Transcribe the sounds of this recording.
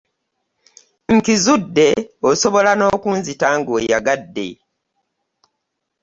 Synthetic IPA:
ŋ̩kizudːe̞oso̞βo̞lano̞ːkuːnzitaŋɡojaɡadːe̞̰

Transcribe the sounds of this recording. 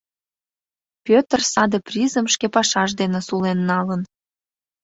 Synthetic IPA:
pʲøt̪ərsɑd̪eprʲizəmʃkepɑʃɑʒd̪enesulenːɑlən

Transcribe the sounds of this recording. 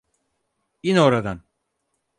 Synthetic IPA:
inoɾad̪an

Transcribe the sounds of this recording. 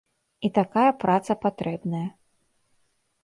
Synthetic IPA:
it̪akajɐpɾat̪sɐpat̪ɾɛbnɐjɐ

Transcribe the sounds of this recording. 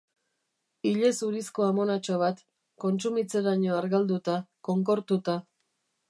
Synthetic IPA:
iʎe̞suɾisko̞amo̞nat͡ʃoβ̞at̪ | ko̞nst͡sumit͡se̞ɾaɲo̞aɾɣald̪ut̪ako̞ŋko̞ɾt̪ut̪a

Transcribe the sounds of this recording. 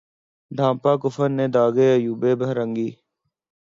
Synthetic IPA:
d̪ʱãːpaːkʊfənːeːd̪aːɡeːəjuːbeːbʱəɦɾəŋɡiː

